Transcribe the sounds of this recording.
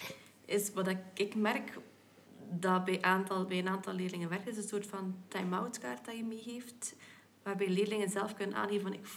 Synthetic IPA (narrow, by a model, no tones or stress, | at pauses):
ɪsʋɑdɪɪkmɛrk | dɑbɛjʔaːntɑlˠbɛjənaːntɑlˠlɪːdəlɪŋənʋɛrkɪsənsoːrtfɑntɛjmawtkaːrt̚dajəmiɦeːft | ʋaːrbɛjleːdəlɪŋənzɛlˠfkɵnənʔa̰ːnɦeːvənnɪk